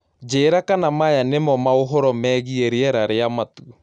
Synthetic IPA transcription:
d͡ʒeːɾakanamajanemɔmaoɦɔɾɔmɛɣieɾeɛɾaɾeamatu

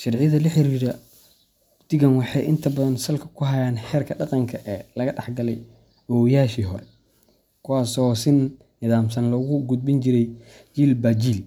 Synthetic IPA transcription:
ʃɐrʕɪjɐðɐlɐħɪɾiːɾɐ | d̪̥ɪɡɐnwɑħɑjʔɪnt̪ʰɐbɐðɐnsɐlkʰɐ̥kʰʊɦɐjaːnħɛːrkʰɐɖɑqɑŋkʰɐʔɛːlɐɣɐɖɑħɡɐlɛj | ʔɐwɔːjaːʃiːɦɔɾɛ | kʰʊwaːsɔsɪnː | ɪðaːmsɐnlɐɣʊɡʊd̪̚bɪnt͡ʃɪɾɛj | t͡ʃiːlbat͡ʃiːl

